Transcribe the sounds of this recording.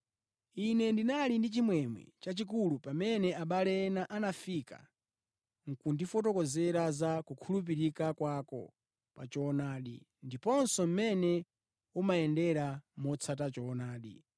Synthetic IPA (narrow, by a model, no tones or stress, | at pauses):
inɛndinalindit͡ʃimwɛmwɛ̰t͡ʃat͡ʃik̬ulupamɛnɛaɓalɛnaʔanafika̰ | ŋ̩kundifɔtɔkɔzɛɾazakukʰulup̬iɾikakwakɔ̰ | pa̰t͡ʃɔnaːɗḭ | ndipɔnsɔm̩mɛnɛ | umaɛndɛɾamɔt͡sʰatat͡ʃɔːnaːɗḭ